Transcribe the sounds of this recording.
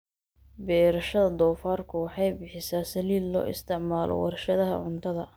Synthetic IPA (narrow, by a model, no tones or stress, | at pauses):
bɛːɾɐʃɐðɐd̪ɔːfaːrkʰʊwɑħɑjbɪħɪsaːsɐliːlːɔ̰ːʔɪ̰st̪ʰɪʕmaːlʔɔ̰wɑ̰rʃɐðɐɦɐ̰ʕʊnt̪ʰɐðɐ